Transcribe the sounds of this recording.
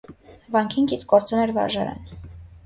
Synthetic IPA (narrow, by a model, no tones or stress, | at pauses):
vɑŋkʰiŋkit͡sɡɔɾt͡sumɛɾvɑ̰ɾʒɑɾɛ̰n